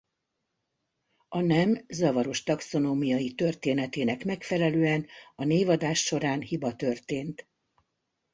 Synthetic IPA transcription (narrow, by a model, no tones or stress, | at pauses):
ɒnɛmzɒvɒɾo̞ʃt̪ɒkso̞noːmijɒjit̪ø̞rt̪eːnɛt̪eːnɛkmɛkfɛlɛløːɛnɒneːvɒd̪aːʃːo̞ɾaːnhibɒt̪ø̞rt̪eːnt̪